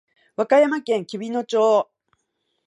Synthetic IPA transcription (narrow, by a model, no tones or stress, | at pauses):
βakajamakẽ̞ŋkʲibʲino̞t͡ɕoː